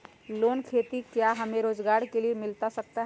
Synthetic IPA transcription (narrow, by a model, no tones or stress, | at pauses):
loːnkʰet̪ikjaɦəmẽɾoːd͡ʒɡaːɾkeliemɪlt̪asək̚t̪aɦ